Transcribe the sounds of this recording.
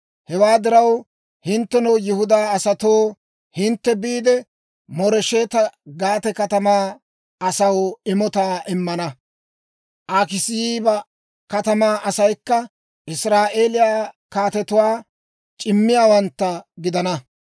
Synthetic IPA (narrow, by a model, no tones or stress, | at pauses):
hɛwaːd̪ɪɾɐw | hɪnt̪ːɛnowjɪhʊd̪aːɐsɐt̪oː | hɪnt̪ːɛbiːd̪ɛ | mɔɾɛʃeːt̪ɐɡaːt̪ɛkɐt̪ɐmaː | ɐsɐwɪmɔt̪aːʔɪmːɐnɐ | ʔaːkɪsɪjiːbɐ | kɐt̪ɐmaːʔɐsɐjkːɐ | ʔɪsɾaːʔe̞ːlɪjaːkaːt̪ɛt̪ʊwaː | t͡ʃʼɪmːɪjaːwɐnt̪ːɐɡɪd̪ɐnɐ